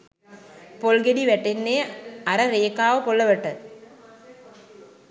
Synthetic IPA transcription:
polɡediʋɛʈːenːeːɐɾɐɾeːkaːʋəpolːɐʋɐʈːə

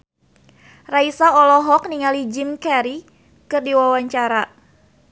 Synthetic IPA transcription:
raisaɔlɔɦɔk̚niŋalid͡ʒɪmkɛɾi | kɨrdiwawaɲt͡ʃaɾa

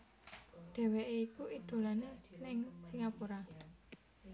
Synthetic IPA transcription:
ɖ̥ɛ̤weʔeikuʔid̪̥o̤lanelɪŋsiŋapuɾa

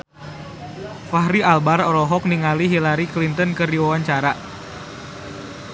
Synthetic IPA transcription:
faɦɾialbaɾɔɾɔɦɔk̚niŋaliɦilaɾiklint̪ənkərdiwawaɲt͡ʃaɾa

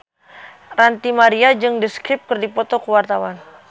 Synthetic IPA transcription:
rant̪imaɾiad͡ʒɨŋdəskɾɪp̚kərdipɔt̪ɔkuwart̪awan

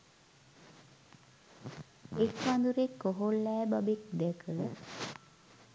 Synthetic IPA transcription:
ekːand̪uɾekːoɦolːɛːbabekd̪ɛkʰə

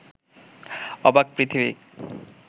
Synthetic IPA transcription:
ɔbak̚pɾit̪ʰibḭk

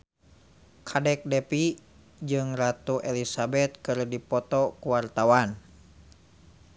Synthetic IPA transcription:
kʰadɛk̚dɛpi | d͡ʒɨŋrat̪uʔelisabɛt̪̚kɨrdipɔt̪ɔkuwart̪awan

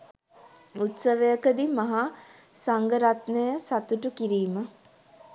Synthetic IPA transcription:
ut̪səʋəjəkəd̪imaɦa | saŋɡəɾat̪nəjəsat̪uʈukiɾiːmə

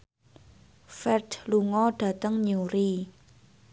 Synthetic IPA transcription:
fɛrdluŋɔɖ̥ä̤t̪əŋɲuɾi

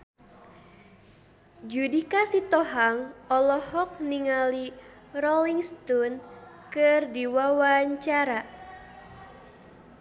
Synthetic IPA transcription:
d͡ʒudikasit̪ɔɦaŋɔlɔhɔk̚niŋali | rɔliŋst̪ɔn | kɨrdiwawaɲt͡ʃaɾa

